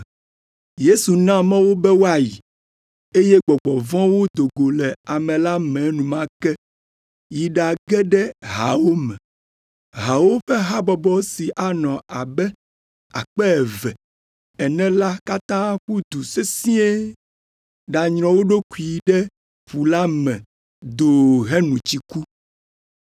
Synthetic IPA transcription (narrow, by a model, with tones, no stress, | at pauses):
je˦su˨nã˦mɛ̃˦wo˦bɛ˦wo˦a˦˨ji˨ | e˦je˦ɡ͡bɔ˨ɡ͡bɔ˨vɔ̃˦wo˦d̪o˨ɡo˨lɛ˨a˨mɛ̃˨la˦mɛ̃˨nũ˨mã˦kɛ˦ | ji˨ɖa˨ɡɛ˦ɖɛ˦ɦa̰˨wo˦mɛ̃˨ | ɦa˨wo˦ɸɛ˦ɦa˦bɔ˨bɔ˦si˨ʔa˦nɔ̃˨a˨bɛ˦ | a̰˨k͡pɛ˦ɛ˨vɛ˨ | ɛ˨nɛ̃˦la˦ka˦t̪ã˦ɸu˦d̪u˨se˦sĩ˦e˦ | ɖa˨ɲɾ̃ɔ̃˨wo˦ɖo˦ku˨i˨ɖɛ˦ | ɸu˨la˦mɛ̃˨ | d̪o˨ɦɛ˦nũ˨t͡ɕi˦ku˦